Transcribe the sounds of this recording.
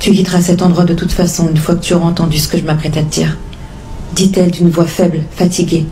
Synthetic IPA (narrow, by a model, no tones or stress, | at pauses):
t̪yɡʲit̪ʁasɛt̪ɑ̃d̪ʁwad̪ət̪ut̪fasɔ̃ynfwakə̥t̪ʰyɔʁɛɑ̃t̪ɑ̃d̪ysə̥kəʒəmapχɛt̪aəd̪ḭːʁ | d̪it̪ɛld̪ynvwafɛblfat̪ʰiɡʲe